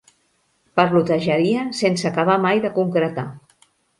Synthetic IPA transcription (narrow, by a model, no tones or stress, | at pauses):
pəɾlut̪əʒəɾiəsensəkaβ̞amajðəkuŋkɾət̪a